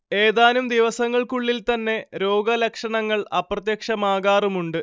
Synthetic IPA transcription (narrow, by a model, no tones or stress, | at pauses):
e̞ːðaːnumd̪iʋɐsɐŋːɐɭkuɭːilt̪ɐnːe̞ɾo̞ːɡɐlɐkʂɐɳɐŋːɐɭɐprɐt̪̬jɐkʂɐmaːɣaːrumuɳɖɨ